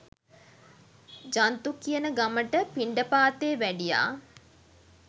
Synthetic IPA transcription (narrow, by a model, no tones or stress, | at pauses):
d͡ʒant̪ukiənəɡaməʈəpiɳɖəpaːt̪eːʋæɖija̰ː